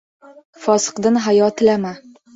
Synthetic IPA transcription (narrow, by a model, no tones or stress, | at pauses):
fɒsɤ̥̆qd̪ɤnɦajɒt̪ɘ̆læma